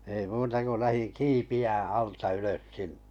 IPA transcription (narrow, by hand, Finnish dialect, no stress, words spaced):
ei muːtɑ ko læhiŋ kiːpiæː ɑltɑ yløs sinn̥e̥